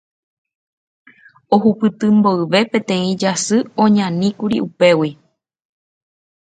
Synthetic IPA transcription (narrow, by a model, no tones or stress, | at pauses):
oɦupɨt̪ɨmboɨʋe̞pẽ̞t̪ẽ̞ĩd͡ʒasɨõɲãnĩkuɾḭʔupe̞wi